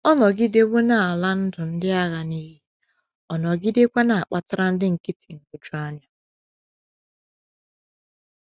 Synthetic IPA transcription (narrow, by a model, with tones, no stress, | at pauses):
ɔ˦nɔ˨ɡɪ˦de˦bʊ˦na˨a˨la˦n̩˦dʊ˨n̩˦dɪ˦a˦ɣa˨ni˦ɣi˦ | ɔ˨nɔ˨ɡɪ˦de˦kʷa˦na˨a˨k͡pa˦ta˦ɾa˦n̩˦dɪ˦ŋ̩˨ki˦ti̥˨ŋ̩˨ɡʊ˦d͡ʒʊ˦a˦ɲa˨